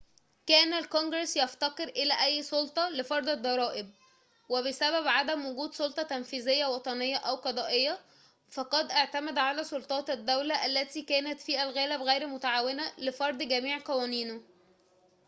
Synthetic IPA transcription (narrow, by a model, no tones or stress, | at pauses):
kæːnælkonɡɾesjɑft̪ɑqeɾʔelæːʔæjːsolt̪ˤɑlefɑɾˤd̪ˤed̪ˤːɑɾˤɑːʔɪb̚ | weβesæβæbʕad̪æmwoɡuːd̪sˤolt̪ˤɑt̪ænfiːzejːæwɑt̪ˤɑnejːɑʔæwqɑd̪ˤɑːʔejːæ | fɑqɑd̪ʔaʕt̪æmæd̪ʕalæːsˤolt̪ˤɑːt̪æd̪ːæwlæʔælːæt̪iːkæːnæt̪fiːʔælɣæːlæbɣæjɾmʊt̪aʕaːwenælefɑɾˤd̪ˤɡæmiːʕqɑwæːniːno